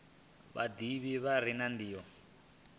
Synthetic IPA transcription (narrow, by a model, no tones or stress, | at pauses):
βa̰d̪iβiβaɾ̤inandiːɔ